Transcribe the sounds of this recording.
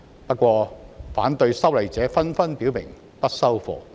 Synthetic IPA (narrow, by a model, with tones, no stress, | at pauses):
pɐ˥t̚kʷɔː˧faː˨˥nt̪ɵ˧ɥsɐ˥wlɐ˨˩jt͡sɛː˨˥fɐ˥nfɐ˥npiː˨˥wmɪ̰˨˩ŋ | pɐ˥t̚sɐ˥wfɔ̰ː˨˧